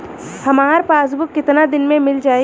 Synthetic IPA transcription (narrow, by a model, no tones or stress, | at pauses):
hɐmaːɾpaːs̬bʊkːɪt̪nad̪ɪnmẽmɪld͡ʒaːe